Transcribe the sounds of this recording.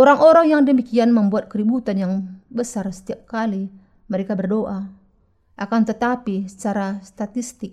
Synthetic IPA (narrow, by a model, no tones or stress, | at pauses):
ʔoɾaŋʔoɾaŋjaŋdəmikianməmbuat̪̚kəɾibut̪anjaŋbəsarsə̥t̪iap̚kali | məɾekabərdoʔa | ʔakant̪ət̪apisə̥t͡ʃaɾast̪at̪ist̪ɪk̚